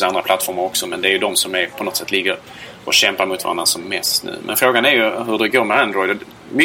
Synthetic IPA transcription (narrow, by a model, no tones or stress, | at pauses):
sand̪ɾaplat̪ːfɔɾmaɾɔksɔmɛnd̪ɛːɾjɵd̪ɔmsɔmæɾpʰɔnɔt̪sɛt̪ːlɪɡːəɾ | ʔɔɕɛmpaɾmʊt̪va̰ɾanːasɔmːɛst̪nʉ̟̰ːmʔɛ̰nfɾoːɡanæɾjɵɦɵɖɛɡoːɾmɛand̪ɾɔjd̪ɔ | mʏ